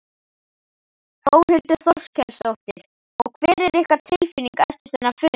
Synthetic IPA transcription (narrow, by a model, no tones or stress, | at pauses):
θow̥hʏlt̪ʏθɔw̥scʰɛlsawht̪ɪɾ̥ | ɔɣkʰv̥ɛːɾɛɾɪhkat̪ʰɪlfiniŋkɛft̪ɪɾ̥θɛnːafʏː